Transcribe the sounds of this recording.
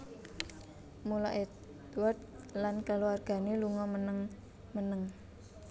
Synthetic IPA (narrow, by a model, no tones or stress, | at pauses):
mulɔʔed | d̪uward̪̚ | lankaluarɡ̥a̤neluŋɔmənəŋ | mənəŋ